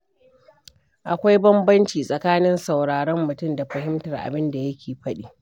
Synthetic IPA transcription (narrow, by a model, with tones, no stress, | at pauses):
ʔa˨kʷa˦jbɐ˦mbɐ˦nt͡ʃiː˨sʼɐ˨kaː˦nɪ˦nsa˨wɽaː˨ɽɔ˦mːʊ˨tʊ˦˨mda˨ɸɐ˨ɦɪ˦mtɐ˨rʔa̰˨bɪ˦nda˨jɐ˦kʲʰeː˨ɸɐ˦ɗiː˨